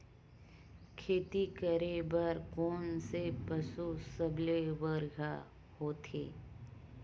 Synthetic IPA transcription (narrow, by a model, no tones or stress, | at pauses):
kʰeːt̪ikəɾebəɾkoːnsepəsusəbleʋəɾɡʱa | hoːt̪ʰḛː